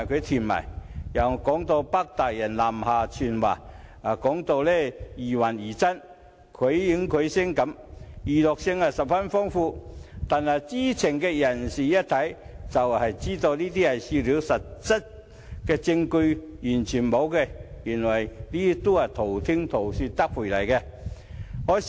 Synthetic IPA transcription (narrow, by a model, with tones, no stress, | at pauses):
a˨˩jkʰɵ˨˧t̪ʰi˨˩nmɐ̰˨˩jjɐ˨˩wkɔː˨˥ŋt̪o˧wpɐ˥k̚t̪aː˨˩k̚jɐ˨˩nlaː˨˩mhaː˨˩t͡ʃʰyː˨˩nwa̰ː˨˩a˨˩kɔː˨˥ŋt̪o˧wlɛː˥jiː˨˩wɐ˨˩njiː˨˩t͡sɐ˥n | kʰɵ˨˧˥ɥjɪ˨˥ŋkʰɵ˨˧ɥsɪ˥ŋkɐ˨˥m | jiː˨lɔ˨k̚sɪ˧ŋhɐ˨˩sɐ˨p̚fɐ˥nfɔː˥ŋfuː˧t̪aː˨nhɐ˨˩jt͡siː˥t͡sʰɪ˨˩ŋkɛː˧jɐ˨˩nsiː˨jɐ˥t̚t̪ʰɐ˨˥j | t͡sɐ˨whɐ˨jt͡siː˥t̪o˧wliː˥t̪iː˥hɐ˨jsiː˧liː˨˥wsɐ˨t̚t͡sɐ˥t̚ | kɛː˧t͡sɪ˧ŋkɵ˧ | jyː˨˩nt͡ʃʰyː˨˩nmo˨˧wkɛ˧jyː˨˩nwɐ˨˩jliː˥t̪o˥whɐ˨˩jt̪ʰo˨˩wt̪ʰɪ˥ŋt̪ʰo˨˩wsyː˧t̪ɐ˥k̚wʰu˨˩lɐ˨˩jkɛː˧ | hɔː˨˥